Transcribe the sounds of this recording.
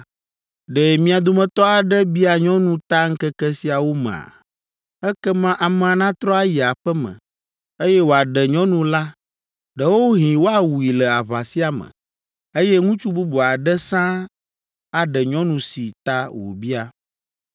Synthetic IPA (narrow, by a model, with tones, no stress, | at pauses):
ɖɛ˨mĩ˦a˨d̪o˦mɛ̃˦t̪ɔ˦a˨ɖɛ˦bi˦a˨ɲɔ̃˦nũ˦t̪a˦ŋ̩˦kɛ˦kɛ˦si˦a˨wo˦mɛ̰̃˨a̰˨ | ɛ˦kɛ˦mã˦ʔa˨m̃˦˨a˨nã˦t̪ɾɔ˦a˦ji˨a˨ɸɛ˦mə̰̃˨ | e˦jɛ˦wo˨a˨ɖɛ˨ɲɔ̃˦nũ˦la˦ | ɖɛ˦wo˦ɦĩ˨wo˦a˦wu˨i˨lɛ˨a˨βa˨si˦a˨mə̰̃˨ | e˦jɛ˦ŋũ˦t͡ʃu˦bu˦bu˨a˨ɖɛ˦sã˦ | a˨ɖɛ˨ɲɔ̃˦nũ˨si˨t̪a˦wo̰˨bi˦a˨